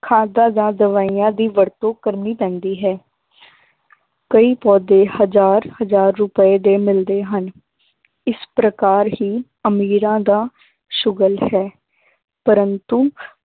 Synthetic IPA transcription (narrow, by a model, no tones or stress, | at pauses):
kʰaːd̪ãːd̪ãːd̪əʋaːiːãːd̪iːʋəɾt̪õːkəɾniːpɛ̃ːnd̪iːɦɛː | kəiːpɔːd̪eːhəzaːɾhəzaːɾːʊpəeːd̪eːmɪld̪eːɦən | ɪspɾəkaːɾɦiː | əmiːɾãːd̪aː | ʃʊɡəlhɛː | pəɾənt̪uː